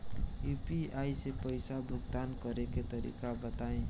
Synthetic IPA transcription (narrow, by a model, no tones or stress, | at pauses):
jupiajsepəjsabuk̚d̪ankʌɾeket̪ʌɾḭkabʌt̪aẽ